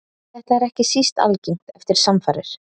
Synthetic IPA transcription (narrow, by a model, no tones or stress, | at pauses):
θɛht̪aɛɾɛhcɪsist̪a̰lciŋ̥t̪ɛft̪ɪɾ̥samfaːɾɪ̰ɾ̥